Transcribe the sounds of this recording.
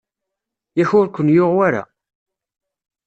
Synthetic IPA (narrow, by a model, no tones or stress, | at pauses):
jæçʊɾkʷːənjoʁwaɾa̰